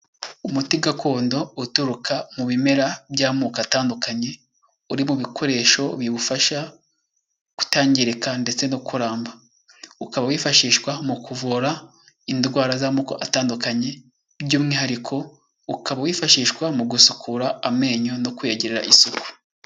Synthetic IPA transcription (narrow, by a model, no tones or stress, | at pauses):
umutiɡakʰo̞ːndo̞utuɾukʰamuβime̞ɾabɟaːmuːkataːndukaɲe̞ | uɾimuβikʰo̞ɾe̞ːʃo̞βiβufaʃa | ku̥taːɲɟiɾekande̞t͡se̞nokʰuɾaːmba | ukaβawiːfaʃiːʃkwamukuvuɾa | indɡwaːɾazaːmuːkoʔataːndukaɲe̞ | bjuːmŋiːhaɾikʰo̞ | ukʰaβawiːfaʃiːʃkwamuɡusu̥kʰuɾaːme̞ːɲo̞nokweɟeɾeɾa̰ʔisuku̥